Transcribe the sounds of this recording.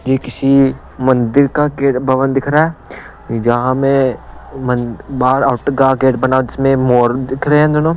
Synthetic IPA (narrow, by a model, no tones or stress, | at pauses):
d͡ʒiːkɪsi | mɐ̃nd̪ɪɾkakeːʈbʱɐʋənd̪ɪkʰɾaɦɛː | d͡ʒɐɦãmẽmɐnbaːɾaʊʈkaɡeːʈbɐnaːõd͡ʒɪsmẽmoːɾd̪ɪkʰɾɐɦɦɛ̃d̪ono